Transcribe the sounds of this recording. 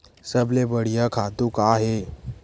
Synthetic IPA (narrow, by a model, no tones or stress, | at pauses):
səblebəɽ̤ijəkʰat̪ũkaɦe